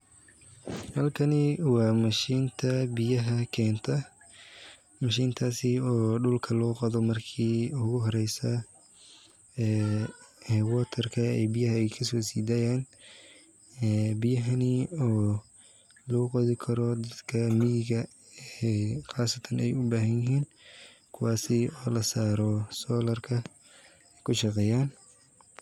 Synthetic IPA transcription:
hɐlkʰɐnɪwɑːmɐʃiːnt̪ʰɐbɪjɐɦɐkʰɛːnt̪ʰɐ | mɐʃiːnt̪ʰaːsɪɔːɖʊlkʰɐlɔːqɑðɔmɐrkʰiːʊɣʊɦɔɾɛjsɐ | hɛwɔːt̪ʰɛrkʰɐɛ̰ːbɪjɐɦɐɛjkʰɐsɔːsiːd̪aːjaːn | ɛːbɪjɐɦɐniɔː | lɔɣʊqɑðɪkʰɐɾɔd̪ɐd̪kʰɐmɪjɪɣɐ | ɛχɑːsɐt̪ʰɐnɛjʊbaːɦɐnjɪɦiːn | kʰʊwɑːsɪɔːlɐsaːɾɔsɔːlɐrkʰɐ | ɛjkʰʊʃɑqɛːjaːn

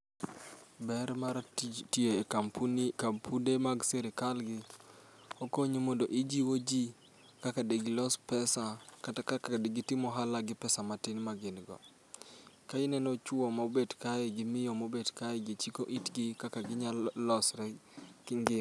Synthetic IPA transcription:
bɛɾmaɾtieemkampʰundemaɡseɾɪkalɡɪ | okoɲemondoʔid͡ʒiwod͡ʒi | kakadeɡɪlɔspɛsakakakdeɡɪtɪmɔɦalaɡɪpɛsamatinmaɡinɡɔ̰ | kainɛnɔt͡ʃwɔmabedkajɛɡɪmɪjɔmobedkaɛɡit͡ʃikoʔitɡɪkakaɡɪɲallɔsɾɛkɪŋɡɪ

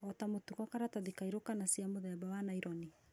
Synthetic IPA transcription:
ɔtamotukɔkaɾataðikaiɾokanasiamoðɛbawanaiɾɔni

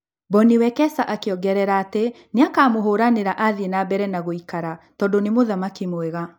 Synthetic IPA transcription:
bɔniwɛkɛsaʔakeɔɡɛɾɛɾaːte | neakaːmoɦoɾaneɾaʔaðenabɛɾɛnaɣoikaɾatɔːndonemoðamakimwɛɣa

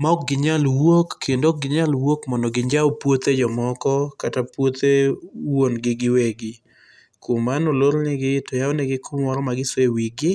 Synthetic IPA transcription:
mɔkɡɪɲalwokːendok̚ɡɪɲalwokmɔndɔɡɪɲd͡ʒaopwot̪ed͡ʒɔmɔkɔkatapwot̪ewonɡɪɡɪweɡɪ | komanololnɪɡɪtɔjawɔnɛɡɪkʰʊmɔɾɔmaɡɪswewiɡɪ

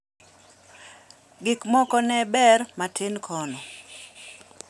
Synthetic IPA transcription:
ɡɪkmɔkɔnɛbɛrmatʰɪnkʰɔnɔ

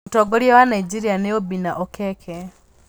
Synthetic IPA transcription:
toɡoɾiewanaid͡ʒiɾianeobinaʔokekʰe

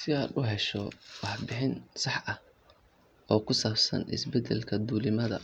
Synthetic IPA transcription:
sɪɐːd̪ʊɦɛʃɔwɑħbɪħɪnsɑħʔɐh | ɔːkʰʊsaːbsɐ̰nɪ̰sbɛd̪ɛlkʰɐd̪uːlɪmɐðɐ̰

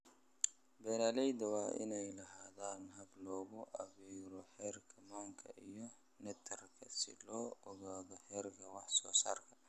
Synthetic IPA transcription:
bɛnalɛjd̪ɐwɑːʔɪ̰nɛjlɐɦaːðaːnɦɐblɔːɣʊʔɐβiːɾɔħɛːrkʰɐmaŋkʰɐ̰ʔijɔ | nɛt̪ʰɐrkʰɐsɪ̰lɔːɔɣaːðɔħɛːrkʰɐwɑħsɔːsa̰ːrkʰɐ̥

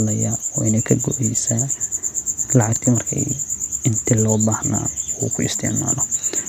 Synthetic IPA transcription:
lɐjaɔːɪnɛjkʰɐɡɔʔɛjsa | lɑʕɑɡ̚t̪ʰimɐrkʰɐ̰ɪnt̪ʰilɔːbaːhna̰ːṵːkʰʊɪ̰st̪ʰɪ̰ʕma̰ːlɔ

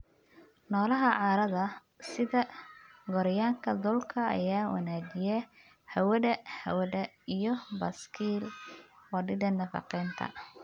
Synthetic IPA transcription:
nɔːlɐɦɐʕɑːɾɐðɐ | sɪðɐɡɔɾjaːŋkʰɐd̪ʊlkʰɐɐ̰jaːwɑ̰naːd͡ʒɪjɛ | hɐwɐðɐhɐ̰wɐðɐ | ijɞbɐskʰiːlwɑɖɪd̪ɐnːɐfɑ̰qɛːnt̪ʰɐ̰

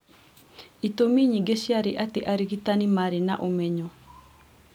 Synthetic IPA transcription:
it̪omiɲiɡesjaɾiʔat̪eʔaɾiɡit̪animaɾina̰ʔomɛɲɔ

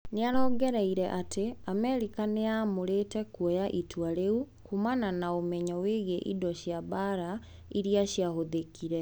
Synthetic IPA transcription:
neaɾɔːɡɛɾɛiɾɛʔateamɛɾikaneamoɾetɛkwɔjaʔitʰwaɾeu | kumananaomɛɲɔweɣeʔidɔɕjaβaɾa | iɾiaɕjahoðekʰiɾɛ

